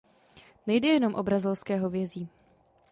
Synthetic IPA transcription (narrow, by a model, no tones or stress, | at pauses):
nɛjdɛjɛno̞mʔo̞bɾazɪlskɛːɦovjɛziː